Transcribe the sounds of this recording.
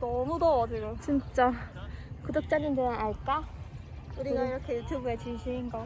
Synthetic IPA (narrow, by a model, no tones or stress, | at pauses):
dʌmudoːdɯɾot͡ɕint͡ɕ͈a | kudok̚t͡ɕ͈anɯndɯnɯnaɭk͈a | uɾiɡaiɾʌkʰe̞jutʰjubuet͡ɕinɕʰiinɡʌ